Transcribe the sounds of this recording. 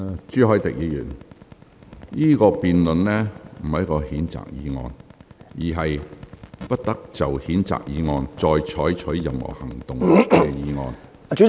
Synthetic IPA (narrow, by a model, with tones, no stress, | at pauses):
t͡ʃyː˨˥ɦɔː˨˥jt̪ɪ˨k̚jiː˨˧jy̰ː˨˩n | niː˥kɔː˧piː˨nlɵ˨nlɛ˥m̩˨˩hɐ˨jkɔː˧hiː˨˥nt͡sa̰ː˨k̚jiː˨˧ŋɔ̰ː˧njiː˨˩ɦɐ˨jpɐ˥t̚t̪ɐ˥k̚t͡sɐ˨whiː˨˥nt͡sa̰ː˨k̚jiː˨˧˥ŋɔː˧nt͡sɔː˧jt͡ʃʰɔː˨˥jt͡ʃʰɵ˨˥ɥːɐ˨mhɔ̰ː˨˩hɐ˨˩ŋt̪ʊ˨ŋkɛː˧jiː˨˧ŋɔː˧n˨ | t͡ʃy˨˥